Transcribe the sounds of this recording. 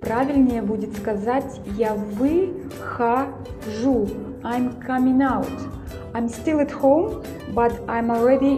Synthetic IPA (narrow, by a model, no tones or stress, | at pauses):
pɾavʲilʲnʲɪjɛbudʲɪt̪skazat͡sʲjavɨ | xa | ʐu | ajmkʰamʲĩŋawt | ãj̃mstɨlˠəthõw̃m | bɐtajmɔlˠɹɛdi